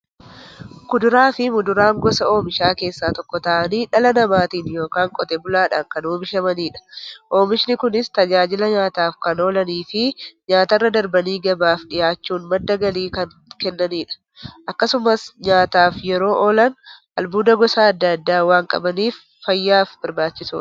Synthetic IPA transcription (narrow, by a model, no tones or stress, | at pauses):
kʊd̪ʊɾaːfɪmʊd̪ʊɾaːŋɡɔsɐo̞ːmɪʃaːke̞ːsːaːt̪ɔkːɔt̪ɐʔɐniːᶑɐlɐnɐmaːt̪iːnjo̞ːkaːŋkʼɔt̪ɛbʊlaːᶑa̰ːŋkɐnoːmɪʃɐmɐniːᶑɐ̥ʔo̞ːmɪʃnɪkʊnɪst̪ɐd͡ʒaːd͡ʒɪlɐɲaːt̪aːfkɐnoːlɐniːfɪɲaːt̪ɐrːɐd̪ɐɾbɐniːɡɐbaːfᶑɪjaːt͡ʃːuːnmɐd̪ːɐɡɐliːkɐn | kɛnːɐniːᶑɐ̥ | ʔɐkːɐsʊmɐsɲaːt̪aːfjɛɾo̞ːʔoːlɐn | ɐlbuːd̪ɐɡɔsaɐd̪ːɐɐd̪ːaːwaːŋkʼɐ̰bɐniːfːɐjːaːfbɐɾbaːt͡ʃːɪsṵːɐ̥